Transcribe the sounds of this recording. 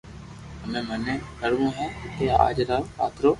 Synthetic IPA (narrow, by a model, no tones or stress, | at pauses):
əmẽːmənẽːkəɾʋõːɦɛ̃ːt̪eːa̰ːd͡ʒɾaːla̰ːt̪ɾoː